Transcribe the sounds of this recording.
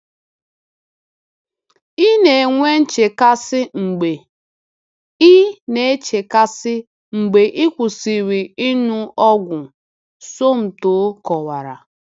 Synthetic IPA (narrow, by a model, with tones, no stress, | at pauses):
i˦ne˨ŋʷe˦n̩˦t͡ʃe˨ka˦sɪ˦ŋ͡m̩˨ɡ͡be˨ | i˦ne˨e˦t͡ʃe˨ka˦sɪ˦ | ŋ͡m̩˨ɡ͡be˨ʔɪ˦kʷʊ˨si˨ɾi˨i˦nʊ˦ɔ˦ɡʷʊ˨ | so˦m̩˨to˨˦kɔ˨wa˨ɾa̰˨